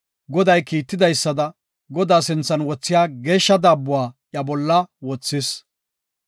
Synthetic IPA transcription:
ɡɔd̪ɐjkiːt̪ːɪd̪ɐjsːɐd̪ɐ | ɡɔd̪aːsɪnt͡sːɐnwɔt͡sːɪjaːɡe̞ːʃːɐd̪aːbːʊwaːjɐbɔlːɐwɔt͡sːɪs

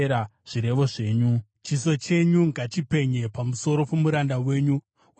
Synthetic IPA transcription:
ɾaʐ̥iɾe̞ʋo̞ʐe̞ːɲu | t͡ʃiso̞t͡ʃe̞ɲuŋɡat͡ʃipe̞ɲe̞pamuso̞ɾo̞pomuɾandawe̞ːɲu

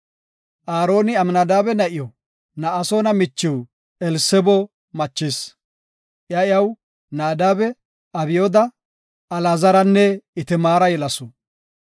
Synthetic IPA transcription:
ʔaːɾo̞ːnɪɐmnad̪aːbɛnɐʔɪjɔ | nɐʔːsoːnɐmɪt͡ʃːɪw | ɛlsɛbɔ | mɐt͡ʃːɪs | ʔɪjɐjɐw | naːd̪aːbɛ | ɐbɪjod̪ɐ | ɐlaːzɐɾɐnːɛɪt̪ɪmaːɾɐjɛlɐsʊ

